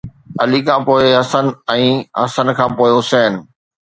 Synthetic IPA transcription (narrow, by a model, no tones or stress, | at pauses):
ɐlikʰãːpoːɪɦɐsənɛ̃ːɦɐsənkʰãːpoːɪɦʊsɛːn